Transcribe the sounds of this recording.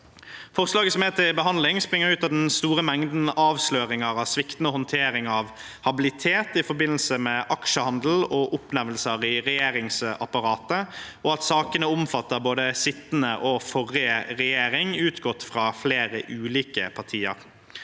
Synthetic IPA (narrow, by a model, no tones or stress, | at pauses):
fɔʁslɑːɡəsɔmeːt̪ʰɪbəɦɑnd̪lɪŋspʁɪŋːəʁʉːt̪ɑd̪ɛnst̪uːʁəmɛŋd̪n̩ɑːʋsløːʁɪŋəɾɑʋsʋɪkt̪nəhɔnt̪ʰeːɾɪŋɑʋ | hɑbɪlɪt̪ʰeːt̪ɪfɔɾbɪnlsəmɛʔɑkʃəhɑnd̪l̩ɔʔʊpnæʋlsəʁɪʁɛjeːɾɪŋsɑpɑɾɑːt̪əɔɑt̪sɑːkənəʊmfɑt̪ːəɾboːd̪əsɪt̪ːnəʔɔfɔʁːɪəʁɛjeːɾɪŋʉːt̪ɡɔt̪ːfʁɑːfleːɾəʔʉːliːkəpʰɑʁt̪ʰiːə̰ʁ